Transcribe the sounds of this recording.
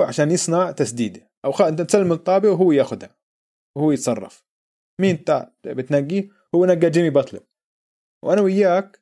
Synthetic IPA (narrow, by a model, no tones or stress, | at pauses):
ʕaʃaːnjɪsˤnaʕt̪asd̪iːd̪i | ʔawxaʔɪnt̪at̪salːɪmt̪ˤːɑːbɪwɦʊwːjaːxʊd̪ha | whʊːjɪt̪sˤɑrˤːɑ̰f | miːnt̪abɪt̪naɡːi | hʊwːnaɡːad͡ʒɪmibɑt̪ˤlʊ̰ | wʔanawɪjːaːk